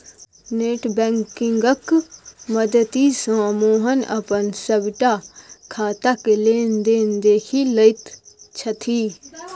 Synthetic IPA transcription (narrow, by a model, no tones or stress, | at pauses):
neːʈbɛ̃ːŋkɪ̃ŋɡəkməd̪ət̪isãːmoːɦənʔə̰pənsəbʈakʰaːt̪akeleːnd̪eːnd̪eːkʰiləɪt̪t͡ʃʰət̪ʰiː